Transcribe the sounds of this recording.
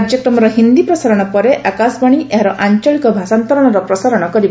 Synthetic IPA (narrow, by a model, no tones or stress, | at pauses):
d͡ʒjɔkɾɔmɔɾɔɦind̪ipɾɔsaɾɔɽ̃ɔpɔɾeʔakasbɔɽ̃iʔeɦaɾɔʔaɲt͡ʃɔɭikɔbʱasant̪ɔɾɔɽ̃ɔɾɔpɾɔsaɾɔɽ̃ɔkɔɾib